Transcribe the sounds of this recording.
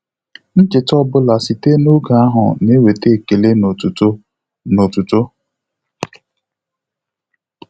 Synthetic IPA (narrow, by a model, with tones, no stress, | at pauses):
n̩˦d͡ʒɪ˨tɔ˦bʊ˦la˨si˨te˦no˦ɡa˨a˦ɦʊ̰˨ne˦we˨te˦e˨ke˨le˦n˨u˨t | no˨tu˨tʊ˦